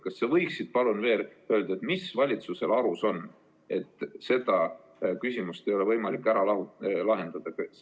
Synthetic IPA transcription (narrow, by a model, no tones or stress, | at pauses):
kɑsːevɤjksid̪̥pɑlunve̞ːlø̞ld̪̥ɑet̪misvɑlʲit̪suse̞lɑɾuso̞n | e̞t̪ːˑse̞d̪ɑ | kysʲimust̪e̞jo̞le̞vɤjmɑlikːˑæɾɑlɑulɑɦe̞nd̪̥ɑd̪̥ɑ